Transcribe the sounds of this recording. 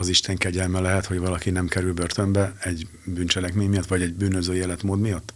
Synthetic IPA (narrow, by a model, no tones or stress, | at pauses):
ɒziʃt̪ɛŋkɛɟɛlmɛlɛɦɛt̪ho̞ɟvɒlɒkinɛmkɛɾylbø̞rt̪ø̞mbɛɛɟ | byːnt͡ʃɛlɛkmeːɲmijɒt̪ːʋɒɟɛɟbyːnøzøːjeːlɛt̪moːd̪mijɒt̪ː